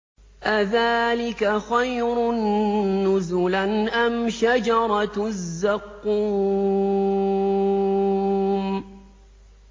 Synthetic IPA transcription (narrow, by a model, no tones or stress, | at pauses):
ʔaðaːlɪkaxajɾʊnːʊzʊlanʔamʃad͡ʒɑɾˤɑzːɑqːuː | m